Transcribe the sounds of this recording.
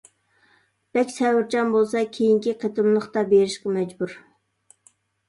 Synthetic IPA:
b̥ɛkʲsɛwɪɾt͡ʃɑnbolˠsɑkʲʰejiŋkʲiqʰet̪ɨmlˠəχt̪ɑbeɾɪʃqɑmɛd͡ʒbuɾ

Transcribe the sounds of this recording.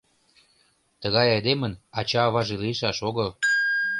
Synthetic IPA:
t̪əɣɑjɑjd̪emənɑt͡ɕɑːβɑʒeliəʃɑʃoɣəl

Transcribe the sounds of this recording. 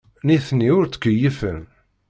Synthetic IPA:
niθnːiʊɾt͡sːə̥kːəjəfə̰n

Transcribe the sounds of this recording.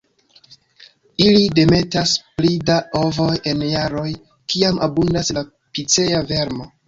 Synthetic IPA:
ilide̞me̞tasplidaʔo̞vo̞je̞njaɾo̞j | kiamʔa̰bundasla | pit͡se̞jave̞ɾmo̞

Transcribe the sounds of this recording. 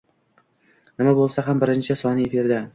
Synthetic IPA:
nɪmabolˠsaɦambɪɾɪnt͡ʃʰɪsɒnɪefɪɾd̪a

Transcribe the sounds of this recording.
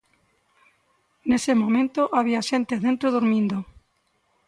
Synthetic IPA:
nesemõmẽnt̪oʔaβ̞iaʃent̪eðent̪ɾoðoɾmĩnd̪o

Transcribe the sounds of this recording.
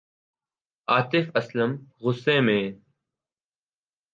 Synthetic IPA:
aːt̪ɪfɐsləmɣʊsːẽːmẽː

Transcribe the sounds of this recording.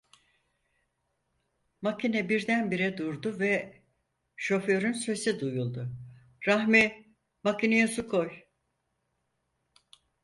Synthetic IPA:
macʰinɛbiɾd̪ænbiɾɛd̪uɾd̪ʊvɛ | ʃo̞føɾynsesid̪ujulˠd̪ʊ | ɾahmi | macinejɛsukʰoj

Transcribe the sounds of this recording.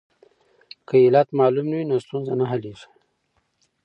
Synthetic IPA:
kəelat̪mɑlumnawinost̪unzanaɦaliʐi̥

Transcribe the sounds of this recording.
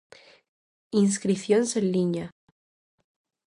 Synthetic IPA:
ins̬kɾiθjonsenliɲa

